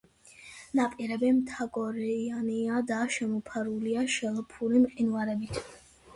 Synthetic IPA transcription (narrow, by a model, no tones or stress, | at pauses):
napʼiɾɛbɛmt̪ʰaɡɔɾɛaniad̪aʃɛmɔpʰaɾuliaʃɛlˠpʰuɾimqʼinwaɾɛbit̪ʰ